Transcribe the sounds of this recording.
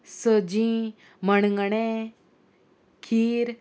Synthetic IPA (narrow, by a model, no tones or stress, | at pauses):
səd͡ʑĩ | məɳŋɡɳe | kʰiːɾ